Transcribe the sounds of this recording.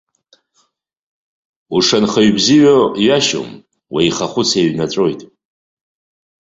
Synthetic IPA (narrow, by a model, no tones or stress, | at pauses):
uʂanχaɥbziɥajaʃo̰m | waiχaχʷʊt͡sʰeɥnat͡sʷʼojtʼ